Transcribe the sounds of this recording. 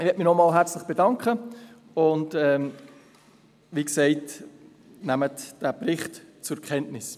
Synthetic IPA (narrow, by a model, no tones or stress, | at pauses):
ɪʋɛt̚mɪnɔmɑːlɦæɾt͡slɪχb̥edɑŋkχə | ʊntɛm | ʋiːksɛɪt | næmətd̥æpɾɪχtt͡sʊɾkχɛntnɪs